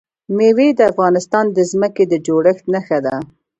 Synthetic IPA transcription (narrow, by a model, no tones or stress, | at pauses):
mewed̪əafɣɑnɪst̪ɑnd̪əzməked̪əd͡ʒoɽəxt̪naxad̪a